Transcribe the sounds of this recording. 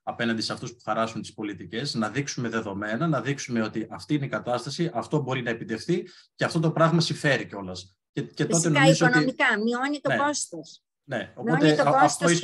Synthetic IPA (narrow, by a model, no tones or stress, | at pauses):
ɐpe̞nɐnd̪iseɐft̪uspu̥xɐɾɐsunt̪i̥spo̞lit̪ice̞znɐðiksume̞ðe̞ðo̞me̞nɐnɐðiksume̞o̞t̪iʔɐft̪iineikɐt̪ɐst̪ɐsiʔɐft̪o̞bo̞ɾinɐepit̪e̞xθice̞ɐft̪o̞t̪̬o̞pɾɐɣmɐsiɱfe̞ɾiceo̞lɐs | ece̞to̞t̪e̞nozooonmikɐmionit̪oeost̪os | ne̞o̞miot̪et̪oost̪oi